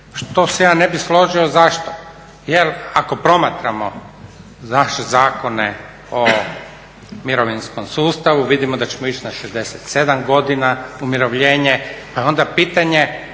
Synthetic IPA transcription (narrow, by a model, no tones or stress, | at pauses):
ʃt̪o̞sejaːne̞bislˠo̞ʒio̞zaʃt̪o̥ | jelako̞pɾo̞mat̪ɾamo | naʃezaːko̞ne | o | miɾoʋinsko̞msuːst̪aʋuʋid̪imod̪at͡ɕemo̞it͡ʃnaʃezd̪e̞set̪se̞d̪amɡo̞d̪inaumʲjiɾo̞ʋʎeːɲepajeo̞nd̪apiːt̪aɲe